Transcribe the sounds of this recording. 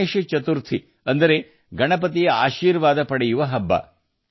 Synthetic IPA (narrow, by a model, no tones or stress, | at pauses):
eːʃit͡ʃɐt̪uɾt̪ʰi | ɐnd̪ɐɾe̞ | ɡɐɳɐp̬ɐt̪̬ijeaːʃiːɾʋaːd̪ɐpɐɽɛjuʋɐɦɐbːɐ̰